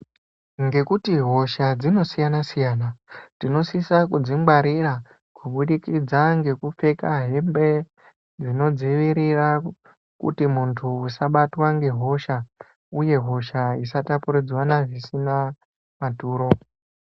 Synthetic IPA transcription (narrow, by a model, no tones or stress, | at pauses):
ŋɡe̞kutiɦo̞ʃad͡zino̞sijanasijaːnatino̞sisakud͡zimɡwaɾira | kuɓuɗikid͡zaŋɡe̞kup͡fe̞kaɦe̞mbe̞ | d͡zino̞d͡ziʋiɾira | kṵtimuntʰuusaɓatwaŋɡe̞ɦo̞ʃa | uje̞ɦo̞ʃaisatapuɾid͡zwanaʐisina | matuːɾo̞